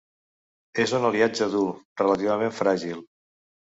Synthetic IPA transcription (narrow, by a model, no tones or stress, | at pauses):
ezunəliad͡ʒəðulˠrələt̪iβəmeɱfɾaʒilˠ